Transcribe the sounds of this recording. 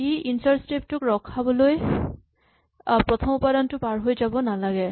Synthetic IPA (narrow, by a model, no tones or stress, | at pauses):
iintaɹstɹip̚tʊkɹɔkʰabɔloj | pɹɔt̪ʰɔmupadɔntʊpaɹɦojzabɔnalaɡɛ